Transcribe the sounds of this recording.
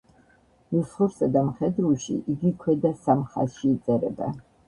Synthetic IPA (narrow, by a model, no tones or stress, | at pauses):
misχuɾsad̪amχɛd̪ɾuʃḭʔiɡikʰwɛd̪asamχa̰ʃiːt̪sʼɛɾɛ̰bɛ̰